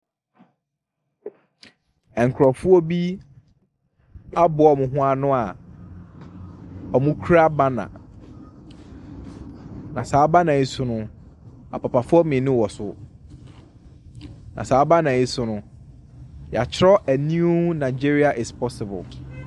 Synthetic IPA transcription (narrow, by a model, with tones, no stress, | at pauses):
ɛ˨ŋ̩˨kʰɾɔ˨fu˦o˦bi˦ | a˦bʊ˨ɔ˨mʊ̃˨ɦʊ̃˦a˦nʊ̃˦a˨ | ɔ˨mʊ̃˦kʰu˦ɾa˦ba˦nã̰˨ | nã˨saː˨˦ba˦nã˨i˦sʊ˦nʊ̃˦ | a̰˨pʰa˨pʰa˨fʊ˦ɔ˦mɪ̃˨nʊ̃˦wɔ˨sʊ˨ | nã̰˨saː˨˦ba˦nã˨i˦sʊ˨nʊ̃˦ | ja˨t͡ɕʰɪ˦ɾɔ˦ʔæ˨nĩ˦u˦nã˨ɪ˨d͡ʑi˦ɾi˦a˨ʔɪ˨spʰɔ˦sɪ˨bʊ̰˨l